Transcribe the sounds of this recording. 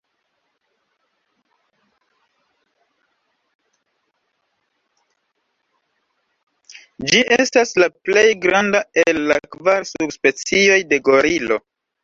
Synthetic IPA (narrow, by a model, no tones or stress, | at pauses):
d͡ʒiʔestaslaple̞jɡɾandaelːakvaɾsubspe̞t͡sio̞jde̞ɡo̞ɾilo̞